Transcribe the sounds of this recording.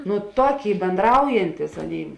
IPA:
nʊ ˈtoːˌkʲeːɪ bʲɛnˈdrɐʊjɛnʲtʲɪs ˈɑːˌnʲeːɪ

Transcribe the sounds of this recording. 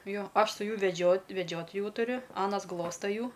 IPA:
ˈjoː ˈɐʃ sʊ ˈjuː ʋʲɛˈd͡ʒʲoːtʲ ʋʲɛˈd͡ʒʲoːt ˈjuː tʊˈrʲʊ ˈɑːnɐs ˈɡlˠoːstɐ ˈjuː

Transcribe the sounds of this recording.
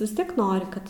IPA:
ʋʲɪs ˈtʲiɛk ˈnoːrʲɪ ˈkɐt

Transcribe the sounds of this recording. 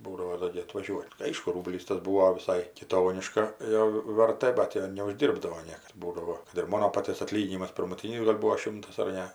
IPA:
ˈbuːdɐʋoː ˈdoː ɡʲɪ ɐtʋɐˈʒʲuɔtʲ ˈɐɪʃkʊ ˈruːbʲlʲiːs tɐs ˈbuːoː ʋʲɪˈsɐɪ kʲɪˈtoːnʲɪʃkɐˈjoː ʋʲɛrˈtɘ ˈbɐt joː nʲɛʊʒʲˈdʲiːrbdɐʋoː ˈnʲiɛkɐs ˈbuːdɐʋoː kɐt ɪr ˈmoːnoː ˈpɑːtʲiɛs ɐˈtʲlʲiːɡʲɪnʲɪmɐs pʲɪrmʊˈtʲiːnʲɪs ɡɐlʲ ˈbuːoː ˈʃʲɪmtɐs ɐr ˈnʲɛ

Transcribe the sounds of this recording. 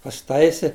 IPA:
pɐsʲɪˈtɐɪsʲɪ

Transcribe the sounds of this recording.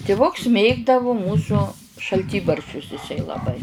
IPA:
tʲɪˈʋʊks ˈmʲeːɡdɐʋʊ ˈmuːsʊ ʃɐlʲˈtʲiːbɐrʲʃʲt͡ʃʲʊs ɪˈsɐɪ lˠɐˈbɐɪ

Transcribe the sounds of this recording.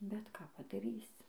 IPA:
bʲɛt ˈkɑː pɐdɐˈrʲiːsʲɪ

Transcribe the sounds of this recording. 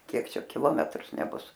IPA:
ˈkʲiɛk ˈt͡ʃʲɛ kʲɪˈlˠoːmʲɛtrʊs nʲɛˈbʊs

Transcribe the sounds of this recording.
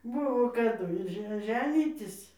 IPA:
ˈbʊʋoː kɐˈdʊ ɪr ˈʒʲɛ ˈʒʲæːnʲiːtʲɪs

